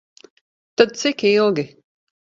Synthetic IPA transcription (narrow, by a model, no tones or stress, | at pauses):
t̪ad̪̚t̪sikilˠɡʲi